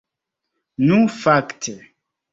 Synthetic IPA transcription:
nũfaktʰe

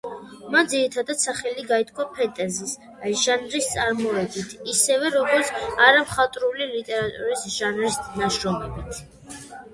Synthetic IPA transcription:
mand̪ziɾit̪ʰad̪at̪saχɛliɡait̪ʰkʰwapʰɛt̪ʼɛzis | aʒanɾist̪sʼaɾmɔɛd̪it̪ʰisɛvɛɾɔɡɔɾt̪sʰaɾamχat̪ʼɾulilit̪ʼɛɾat̪ʼṵɾisʒ̥anɾisnaʃɾɔmɛbit̪ʰ

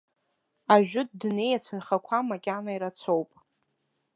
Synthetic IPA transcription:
aʒᶣʊd̚dne̞jat͡sʷʰɨnχakʷʰamakʲʼanaiɾat͡sʷʰowpʼ

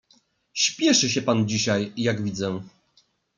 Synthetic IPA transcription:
ɕpʲjɛʂɘɕ̬ɛpand͡ʑiɕajːaɡvʲid̪zɛ

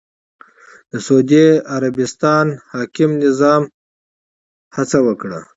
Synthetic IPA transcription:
d̪̥əsod̪eaɾabɪst̪ɑnhɑːkɪmnɪzɑːm | hat͡sawəkɽa̰

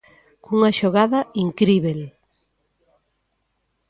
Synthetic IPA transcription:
kuŋɐʃoɣaðɐiŋkɾiβel

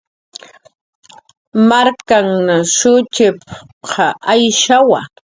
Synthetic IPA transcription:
maɾkaŋnaʃʊt͡ʃɪp | qʰɑʔajʃawa̰

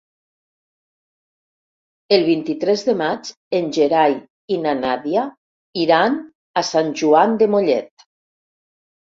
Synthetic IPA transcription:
elˠβint̪it̪ɾɛzðemad͡ʒ | enʲʒeɾaj | inanaðja | iɾan | asanʲʒuand̪emoʎɛt̪

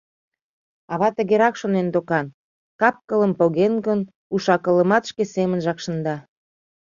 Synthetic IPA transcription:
ɑβɑt̪ə̆ɣeɾɑkʃonend̪okɑn | kɑp̚kələmpoɣenɣən | uʃɑkə̆ləmɑt̪ʃkesemənʒɑkʃə̆nd̪ɑ

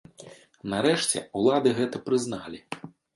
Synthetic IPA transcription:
naɾɛʂt͡sʲɛ̰ulˠad̪ɨɣɛt̪ɐpɾɨznalʲi

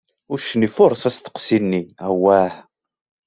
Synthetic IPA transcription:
ʊɾʃənifʊɾˤsæst̪ə̥qsinːiæwæħ

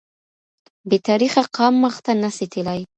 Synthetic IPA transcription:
bet̪ɑɾixaqɑmːəxt̪anasit̪ʰilaj

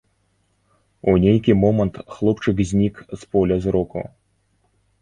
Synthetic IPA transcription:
unʲejkʲimɔmɐnt̪xlˠɔpt͡ʂɨkzʲnʲikspɔlʲɐzɾɔkṵ

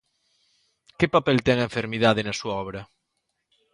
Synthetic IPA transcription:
kepapɛlt̪ɛŋeɱfeɾmiðaðenɐsuaɔβ̞ɾɐ

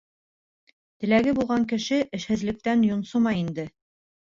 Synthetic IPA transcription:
t̪ɘ̆læɡɘbulˠʁɑŋkɘ̆ʃɘʔɘ̆ʃhɘ̆zlɘ̆k̚t̪ænjŏnsomɑjind̪ɘ

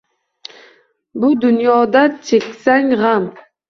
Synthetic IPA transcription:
bʊd̪ʊnjɒd̪at͡ʃʰekʲsaŋʁam

